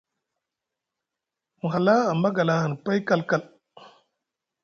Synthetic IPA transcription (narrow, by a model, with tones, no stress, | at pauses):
mu˨ɦa˨la˦a˨ma˦ɡa˨la˦ha˨n˨pa˦jka˦lka˦˨l